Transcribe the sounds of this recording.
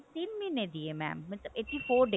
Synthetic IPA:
t̪ɪnmined̪iemɛ̰̃ːmːɐʈt̪ləbeːʈːifoːɾɖe

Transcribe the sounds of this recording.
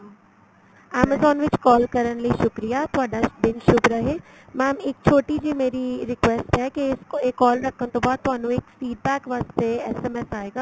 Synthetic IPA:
ɛːməzɔːnʋɪt͡ʃkɔːlkɐɾəɽ̃lɐiʃʊkɾijat̪ʊʋaːɖabɪnʃʊbʱɾɐɦeː | mɛːmɪk̚t͡ɕʰoːʈid͡ʑiːmeːɾiɾɪkʋeːsʈɦɛkeekːɔːlɾɐkʰəñt̪õːbaːd̪̚t̪ʊʋɦaːnũɪkfiːɖ̚bɛːkʋaːst̪eɛseːmesaːeɡaː

